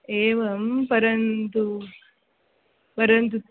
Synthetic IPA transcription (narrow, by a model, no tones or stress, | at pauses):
eːʋɐmpɐɾɐnt̪u | pɐɾɐnt̪̬u